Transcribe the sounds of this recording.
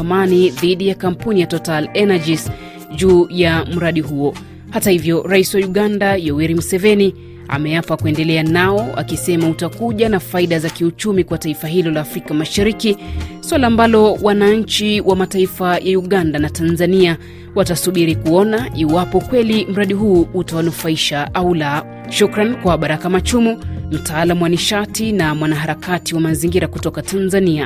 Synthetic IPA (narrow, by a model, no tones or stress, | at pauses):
maniðiɗijakam̩punijatɔtalɛnad͡ʒis | ʄuːjam̩ɾaɗiɦuɔ | hatahivjɔɾaiswauɠandajɔwiɾimusɛvɛni | a̰mɛjafakuɛndɛlɛanaɔa̰kisɛmautakuʄanafaiɗazakiut͡ʃumikwataifaɦilɔlaːfɾikamaʃaɾikiswalaːmbalɔwanaɲ̩t͡ʃiwʔamataifajʔauɠandanatanzania | watasuɓiɾikuɔnaiwapɔkwɛlim̩ɾaɗiɦuːutawanufaiʃaʔaula | ʃukɾankwaɓaɾakamat͡ʃumum̩taːlamuwaniʃatinamwanaɦaɾakatiwamaziŋɡiɾakutɔkatʰanzania